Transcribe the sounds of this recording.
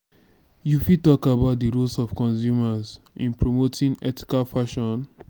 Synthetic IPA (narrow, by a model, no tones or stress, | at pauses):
jufitɔkabaʊt̚diɹulsɔfkɔ̃nsjumaz | ʔĩnpɹomotʰĩŋɛtʰi̥kalfaʃɔ̃n